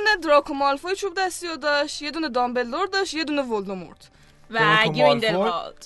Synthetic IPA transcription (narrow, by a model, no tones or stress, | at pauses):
uned̪ɾɒkʰomɒlfojit͡ʃʰubd̪æst̪ijod̪ɒʃt̪jed̪uːned̪ɒmbelːoɾd̪ɒʃjed̪uːnevold̪omo̰ɾd̪̥ | væoind̪ed̪̥